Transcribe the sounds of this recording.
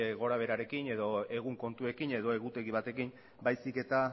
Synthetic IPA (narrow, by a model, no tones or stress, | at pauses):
eɣo̞ɾaβ̞e̞ɾaɾe̞kine̞ðo̞e̞ɣ̞uŋko̞nt̪ue̞kine̞ðo̞e̞ɣut̪e̞ɣiβ̞at̪e̞kim | bajsike̞t̪a